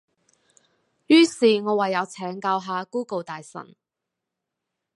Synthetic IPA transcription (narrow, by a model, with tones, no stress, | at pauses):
jyː˥siː˨ŋɔː˨˧wɐ˨jːɐ˨˧wt͡sʰɛː˨˥ŋkaː˧wɦaː˨˧kuː˥ko˨˧wt̪aː˨jsɐ̰˨˩n